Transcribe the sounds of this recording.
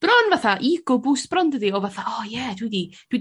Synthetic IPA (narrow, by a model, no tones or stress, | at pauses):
b̥rɔnvaθaʔiɡ̥ʊbʊsb̥rɔndəðiɔvaθaɔjɛdwidid̥wid